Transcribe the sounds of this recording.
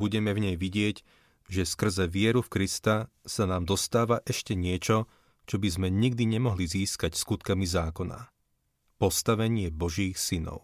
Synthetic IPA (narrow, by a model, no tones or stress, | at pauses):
buɟɛmɛvɲɛjʋiɟɪɛɟ | ʒɛskr̩zɛʋɪɛɾufkɾist̪asanaːmd̪ɔst̪aːʋaʔɛʃcɛɲɪɛt͡ʃɔ | t͡ʃɔbizmɛɲiɡd̪iɲɛmɔɦliziːskacskut̪kamizaːkɔna̰ | pɔst̪aʋɛɲɪɛbɔʒiːxsinɔ̰ʊ